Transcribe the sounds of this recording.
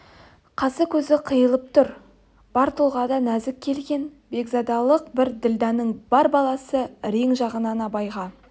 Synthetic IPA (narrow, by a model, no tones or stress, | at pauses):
qʰɑsəkʲʰɵzɪqʰəjəlˠəp̚t̪ʰʊɾ | b̥ɑɾt̪ʰulˠʁɑd̪ɑnæzɪk̚ʲʰːe̞lɡʲe̞n | be̞ɡzɑd̪ɑlˠəq̚bɪɾd̪ɪld̪ɑnəɴbɑɾbɑlˠɑsəɾeŋʒɑʁənɑnɑbɑjʁɑ